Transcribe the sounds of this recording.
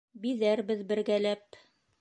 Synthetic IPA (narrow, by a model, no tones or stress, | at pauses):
biðæɾbɘðbɘ̆ɾɡælæp